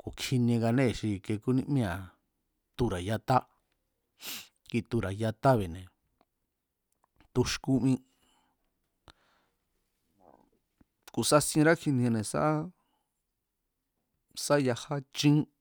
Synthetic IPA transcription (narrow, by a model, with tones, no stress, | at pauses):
ko˨kʰi˧nĩ˧ɡa˧nẽ˦˨ʃi˧ke˧ku˦nĩ˧ʔmĩ˦ã˨ | t̪u˧˨ɾa˨ja˧t̪a˦ | ki˧t̪u˧ɾa˨ja˧t̪a˦βe˨nẽ˨ | t̪u˧ʃku˦mĩ˦ | ku˨sa˦sĩ˧ɾa˦kʰi˧nĩ˧a˧nẽ˧sa̰˦ʔ | sa˦ja˧ha˦t͡ʃĩ˦